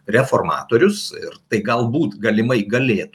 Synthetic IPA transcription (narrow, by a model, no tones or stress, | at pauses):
rʲɛfoːrmɑ̰ːt̪oːɾʲʊsɪrt̪ɐɪɡɐlˠbuːt̪ɡɐlʲɪmɐɪɡɐlʲeːt̪